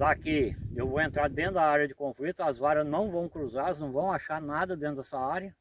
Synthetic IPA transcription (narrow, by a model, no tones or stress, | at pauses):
d̪akiewvowẽnt̪ɾaɾd̪ẽnʊd̪ɐaɾjɐd͡ʒɪkõflit̪ʊɐzvaɾɐznɐ̃w̃vɐ̃w̃kɾuzaɾɐznɐ̃w̃vɐ̃w̃aʃaɾnad̪ɐd̪ẽnʊd̪ɛsɐaɾjɐ